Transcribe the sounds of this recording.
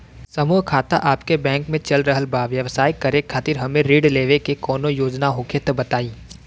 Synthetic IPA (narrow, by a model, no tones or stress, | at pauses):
sɐmuːɦkʰaːt̪a̰ʔaːpkebɛ̃ːŋkmẽt͡ʃɐlɾəɦəlbaːʋjɐʋsaːjkɐɾẽkʰaːt̪ɪɾɦɐmẽɾiːɖleːʋekekɔːnojoːd͡ʒnaɦoːkʰet̪bɐt̪aːĩː